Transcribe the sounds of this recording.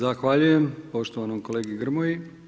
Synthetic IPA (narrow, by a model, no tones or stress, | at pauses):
axʋaʎuje̞mpo̞ʃt̪o̞ʋanomkoleːɡiɡr̩moji